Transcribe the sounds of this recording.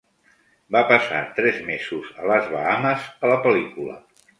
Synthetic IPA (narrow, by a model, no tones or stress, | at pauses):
bapəsa̰t̪ɾɛzmezuzələzβə̰aməzələpəlikulə̰